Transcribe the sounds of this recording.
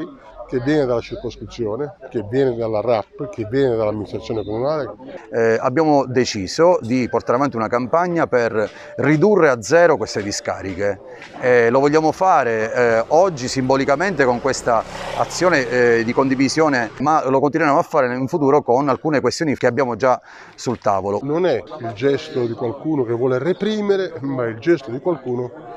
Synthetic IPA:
i | kevːjɛːned̪alat͡ʃirkoskɾit̪sːjoːnekevːjɛːned̪alarapːkevːjɛːned̪alamːinist̪ɾat̪ːjoːnekomunaːle | a̰bːjaːmod̪et͡ʃiːzod̪iport̪aɾavant̪iunakampaɲːaper | rːid̪urːead̪zɛːɾokwest̪ed̪iska̰ːɾike | ɛlovɔʎːaːmofaːɾeɔd͡ʒːisimbɔlikament̪ekoŋkwest̪aa̰t̪sːjoːned̪ikond̪ivisjɔːnemalokont̪̬inwɛɾamoafːaːɾeiɱfut̪uːɾokonalkuːnekwest̪joːnikeabjaːmod͡ʒa | sult̪a̰ːvolononɛild͡ʒɛst̪od̪ikwalkuːnokevːwɔːlerepɾiːmeɾemaild͡ʒɛst̪od̪ikwalkuːno

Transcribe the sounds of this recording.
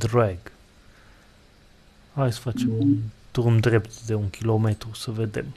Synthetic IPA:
d̪ɾaɡ | hajsə̥fat͡ʃemunt̪urmd̪ɾept̪d̪e̞uŋkʲʰilomet̪ɾusəved̪ḛm

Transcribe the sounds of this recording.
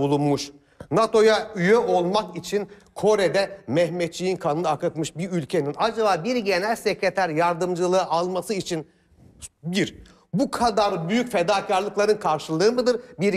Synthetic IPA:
bulˠunmuʃ | nat̪ʰo̞jayjøolˠmakit͡ʃʰin | kʰo̞ɾed̪ɛmɛçmɛt̪̚t͡ʃʰijinkʰanɯnɯakɯt̪mɯʃbiɾylʲcʰe̞ninad͡ʒabaːbiɾɟe̞nælʲsecɾet̪ʰæɾjaɾd̪ɯmd͡ʒɯlˠɯːʔalˠmasɯit͡ʃʰin | biɾ | bukʰad̪aɾbyjycfed̪aːcʰaɾlˠɯklˠaɾɯnkʰaɾʃɯlˠɯːmɯd̪ɯɾbiɾ

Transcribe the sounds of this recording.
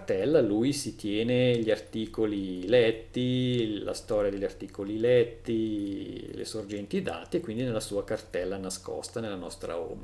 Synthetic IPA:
t̪ɛlːalujsit̪jɛːneʎiart̪iːkolilɛt̪ːila̰st̪ɔːɾjad̪eʎːart̪iːkolilɛt̪ːi | lḛsord͡ʒɛnt̪id̪a̰ːt̪iekːwind̪inelːasuːakart̪ɛlːanaskɔ̰st̪anelːanɔst̪ɾa̰o̰ma

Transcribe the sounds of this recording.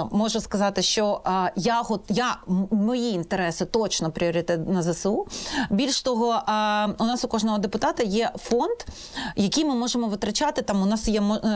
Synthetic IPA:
mɔʒʊskɐzɑt̪ɪʃt͡ʃɔjaɦɔjamɔjiːnt̪eɾɛsɪt̪ɔt͡ʃnɔpɾʲiɔɾʲɪt̪ɛt̪nɐzɐslˠubʲilʲʃt̪ɔɦɔʔʊnɑsʊkɔʒnɔɦɔd̪epʊt̪ɑt̪ɐjɛfɔnd̪ | jɐkijmɪmɔʒemɔʋɪt̪ɾɐt͡ʃɑt̪ɪt̪ɑmʊnɑsjɛmɔ

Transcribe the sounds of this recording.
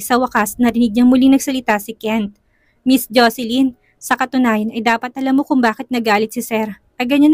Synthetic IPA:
sɐwɐkɐsnɐɾɪnɪɡ̚ɲɐŋmʊliŋnɐɡsɐlɪt̪asɪkɛnt̪̚ | misd͡ʒosɛlin | sɐkɐt̪ʊnaːjɐnɐjd̪aːpɐt̪̚ʔɐlamːokʊŋbaːkɪt̪̚nɐɡaːlɪt̪̚sɪsɛɾ | ʔɐɡɐɲɐn

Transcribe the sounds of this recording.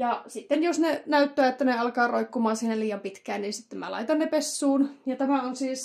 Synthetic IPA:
jɑsit̪ːenjosnenæyt̪ːæːet̪ːæneɑlkɑːroikːumɑːsiːhnelliːɑmpit̪kæːnninsit̪ːemmæ̰lɑ̰it̪ɑnnepesːuːnjɑt̪æmæonsiːs

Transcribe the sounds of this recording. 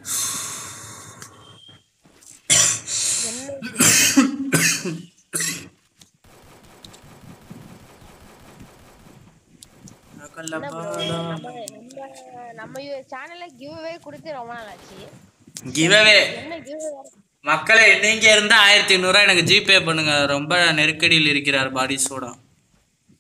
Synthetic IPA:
kːɐlɐ | nɐmːɐt͡ʃaːnɐlɡɪʋɐʋeːkʊɽɯt̪ːɯɾɔmbɐãaːt͡ʃːi | ɡɪʋɐʋeː | mɐkːɐɭɛnːiŋɡɐɪɾɯnd̪ãaːjɪɾɐt̪ːinuːɾãːɛnɐkːɯd͡ʒiːpːeːp̬ːɐɳːɯŋɡɐɾɔmbɐnɛɾɯkːɐɽɪjɪlɪɾɯk̬ːɪɾaːɾbaːɽisoːɽɐ̰̃ː

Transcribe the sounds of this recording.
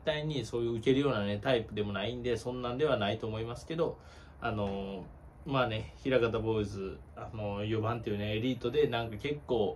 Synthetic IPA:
t̪ːaiɲ̟iso̞ːjɯ̟ːɯ̟ke̞ɾɯjo̞ːnane̞t̪aipɯ̟d̪e̞mo̞naĩnd̪e̞sõ̞nːãnd̪e̞β̞anait̪o̞ːmo̞imasɨ̥ke̞d̪o̞ | ano̞ | maːne̞çiɾaɡat̪abo̞izɨ | ano̞jo̞bãnt̪ejɯ̟ne̞ːɾʲiːt̪o̞d̪e̞nãŋkake̞kːo̞ː

